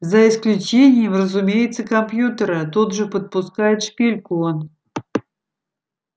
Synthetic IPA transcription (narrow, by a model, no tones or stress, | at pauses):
zɐɪsklʲʊt͡ɕenʲɪjəmrəzʊmʲejɪt̪səkɐmpjut̪əɾət̪od̪ʐɨpət̪̚pʊskajɪt̪ʂpʲelʲkʊon